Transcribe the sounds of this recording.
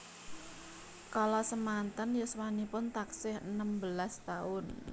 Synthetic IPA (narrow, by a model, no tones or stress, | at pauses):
kalɔsəmant̪ənjəswanipʊnt̪aksɪhənəmbəlast̪aʊn